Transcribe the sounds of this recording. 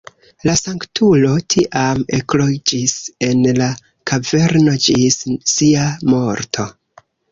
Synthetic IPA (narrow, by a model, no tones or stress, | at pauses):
lasaŋktʰulo̞tʰiʔameklo̞d͡ʒise̞nla | kʰave̞ɾno̞d͡ʒisːiamo̞ɾtʰo̞